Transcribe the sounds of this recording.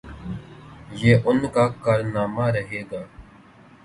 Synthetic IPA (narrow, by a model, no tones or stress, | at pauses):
jeːʔʊnkaːkaːɾnaːmaːɾəɦeːɡaː